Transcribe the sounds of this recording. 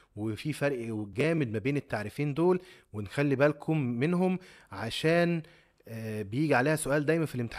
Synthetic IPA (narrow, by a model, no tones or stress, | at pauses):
wefifæɾˤʔɡæːmed̪̚mæbeːnet̪ːaʕɾifiːnd̪oːlwenxælːibælkʰumːenɦomʕaʃæːn | bejiːɡiʕaleːhæsoʔæːld̪æjmænfilʔemt̪eħ